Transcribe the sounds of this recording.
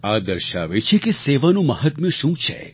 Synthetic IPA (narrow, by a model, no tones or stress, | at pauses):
ad̪əɾʃa̰ʋet͡ʃʰekeseʋanũməɦət̪̚mjə̃ʃũt͡ʃʰḛ